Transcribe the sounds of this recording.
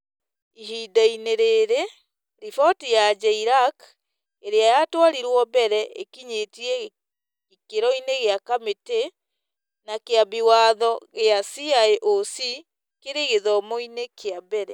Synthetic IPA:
iɦidaineɾeɾe | ɾifɔtijad͡ʒɛiɾak | eɾeajatwaɾiɾwɔbɛɾɛʔekiɲetiɛ | ikeɾɔineɣeakamete | nakeabiwaðɔɣeasiaeʔosi | keɾeɣeðɔmoinekeabɛɾɛ

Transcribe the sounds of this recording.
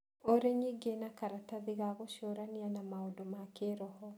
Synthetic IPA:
oɾeɲiɡenakaɾataðiɣaɣoʃoɾanianamaodomakeɾɔhɔ

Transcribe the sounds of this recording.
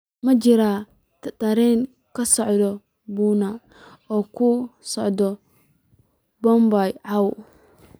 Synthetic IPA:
mɐd͡ʒɪɾaː | t̪t̪ɐɾɛn | kʰɐsɔʕd̪ɔ | buːna | ɔːkʰʊsɔʕd̪ɔ | bɔmbajʕɑw

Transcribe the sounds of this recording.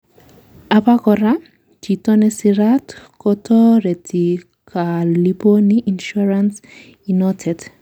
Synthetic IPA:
apakɔɾa | t͡ʃitɔnɛsiɾatkɔtʰɔɾɛtʰi | kʰaliponiʔinʃuɾans | inɔtʰɛd

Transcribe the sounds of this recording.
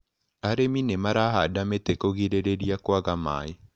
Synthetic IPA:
aɾeminemaɾaɦadametekoɣiɾeɾeɾiakwaɣama̰ːe

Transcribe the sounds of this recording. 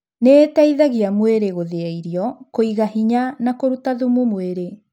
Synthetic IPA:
neːtaiðaɣiamweɾeɣoðeaiɾiɔkoiɣaɦiɲanakoɾutaðumumweɾe

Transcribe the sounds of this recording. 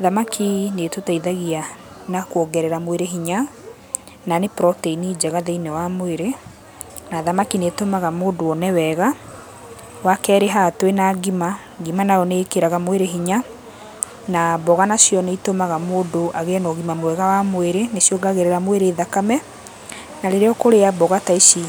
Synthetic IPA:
ðamakʰinetotaiðaɣia | nakwɔɡɛɾɛɾamweɾeɦiɲa | nanepɾɔteinid͡ʒɛɣaðeinɛwamweɾe | naðamakinetomaɣamoːdoɔnɛwɛɣa | wakɛːɾeɦatwenaɡima | ɡimanaɔneːkeɾaɣamweɾeɦiɲa | nabɔɣanasjɔneitomaɣamoːdoʔaɣeɛnɔɣimamwɛɣawamweɾenesjoɡaɣɛɾɛɾamweɾeːðakamɛ | naɾeɾeɔkoɾeabɔɣataiʃi

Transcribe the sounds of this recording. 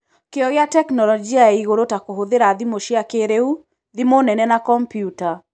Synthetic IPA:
keɔɣeatɛknɔlɔd͡ʒiaɛiɣoɾotakoɦoðeɾaðimoʃiakeɾeu | ðimonɛnɛnakɔmpjuta

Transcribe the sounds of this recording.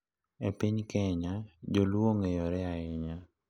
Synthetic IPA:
epiɲkɛɲad͡ʒolwoŋejɔɾɛaɪɲa

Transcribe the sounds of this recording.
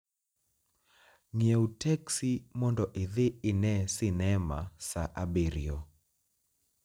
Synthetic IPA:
ŋjɛutɛksimɔndɔʔɪðɪɪnɛsɪnɛma̰saʔabeɾiɔ

